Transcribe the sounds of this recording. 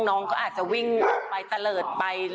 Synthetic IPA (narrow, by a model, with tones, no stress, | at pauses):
ŋnɔː˦˥ŋkʰɔː˦˥ʔaː˨˩t̪̚t͡ɕa˨˩wi˥˩ŋ˨˩pa˧jt̪a˧lɤː˨˩t̪̚pa˧j